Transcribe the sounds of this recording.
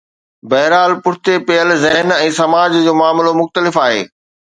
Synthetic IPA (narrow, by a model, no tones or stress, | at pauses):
bɐɦɾaːlpʊɽt̪epejəlzɐɦɪnɛ̃ːsɐmaːd͡ʑd͡ʑoːmʊaːmlomʊxt̪əlɪfaːɦḛː